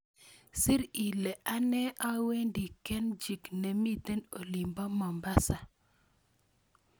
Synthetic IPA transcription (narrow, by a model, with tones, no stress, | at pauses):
sɪ˦ɾi˨lɛ˨ʔa˦nɛ˦ʔa˦we˦ndi˨kɛ˦nd͡ʒi˨kne˨mi˦t̪e˦no˨li˨mba˦mɔ˨mba˦sa˨